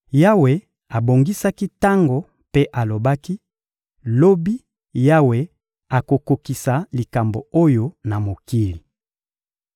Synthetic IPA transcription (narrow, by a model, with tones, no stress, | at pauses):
ja˦we˨ | a˨bo˨ŋɡi˦sa˦ki˦ta˦ŋɡo˨ | pe˦ʔa˨lo˨ba˦ki˦ | lo˦bi˦ | ja˦we˨ | a˨ko˨ko˨ki˨sa˨li˨ka˨mbo̰˨o˦jo˨na˨mo˨ki˦li˨